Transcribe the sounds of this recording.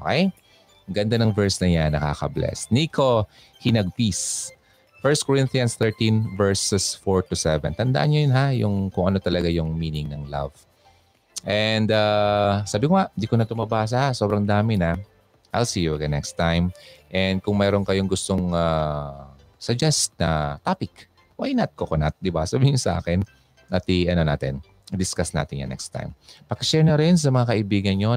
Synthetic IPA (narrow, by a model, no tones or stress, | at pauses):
ʔokɛj | ɡɐnd̪anɐŋvɛɹsnɐjanːɐka̰ːkɐ̰blɛ̰sniko̞ | hɪnɐɡ̚pis | fɛɹst̪̚koɹɪnt̪ijɐnst̪ɛɹt̪ĩnvɛɹsɛsfoɹt̪ʊsɛvɛ̰nt̪ɐnd̪a̰ʔɐnɲojʊnɦajʊ̰ŋkʊŋʔɐno̞t̪ɐlɐɡajʊŋmiːnɪŋnɐŋla̰v | ʔɛnd̪asaːbɪkoŋaʔnd̪ikonɐt̪ʊmabaːs̬ɐhasobɾɐŋd̪aːmɪna | ʔa̰jlsiːjuɡɐnɛkst̪ːajmʔɛnd̪̚kʊŋmɛːɾonkɐjoŋɡʊst̪oŋa | sɐd͡ʒɛst̪nɐt̪aːpɪk | wajnɐt̪̚kokonat̪̚d̪ɪbasɐbiːhɪŋsɐʔa̰ːkɛn | ʔɐt̪iʔɐnona̰ːt̪ɛn | d̪ɪskasna̰ːt̪ɪnja̰nɛ̰kst̪a̰jmpɐkɐʃɛɹnɐɾɛns̬ɐmɐŋakɐʔɪbiːɡɐnjo